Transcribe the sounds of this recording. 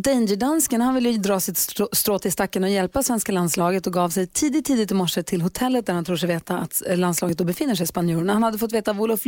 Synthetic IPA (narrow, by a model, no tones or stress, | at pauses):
d̪ɛndəɖanskənhanvɪlːjəd̪ɾɑːsɪt̪st̪ɾoːt̪ʰːɪlst̪akːənɔjɛlpasvɛnskaland̪slɑːɡət̪ɔɡɑːvsɛjt̪ʰiːd̪ɪt̪ʰːiːd̪ɪt̪ːɪmɔʂət̪ʰɪlɦʊt̪ʰɛlːət̪d̪æɾhant̪ʰɾuːʂ̬ɛjveːt̪aat̪lanslɑːɡət̪̚d̪ɔbɛfɪnːəʂ̬ɛjspanjuːɾəɳahanhad̪ːəfɔt̪ːveːt̪avʊlɔf